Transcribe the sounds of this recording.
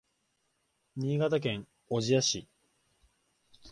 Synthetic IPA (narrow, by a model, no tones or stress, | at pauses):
ɲ̟iːɡat̪ak̬ẽ̞ŋ | o̞ʑijaɕi